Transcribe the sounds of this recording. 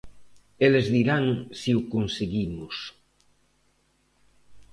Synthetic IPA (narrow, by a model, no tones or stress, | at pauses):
elezðiɾaŋsiukunseɣimus